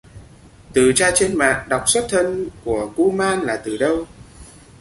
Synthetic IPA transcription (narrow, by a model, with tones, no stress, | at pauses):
t̪ɨ˨˩t͡ɕaː˧t͡ɕe˧nma̰ː˧˨ŋɗa˨˩wk͡p̚swə˦˥t̚t̪ʰə˧nku˧˩əku˧maː˧nlaː˨˩t̪ɨ˨˩ɗə˧w